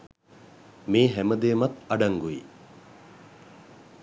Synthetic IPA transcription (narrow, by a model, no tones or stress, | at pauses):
miːɦæməd̪eːmɐt̪ɐɖɐŋɡui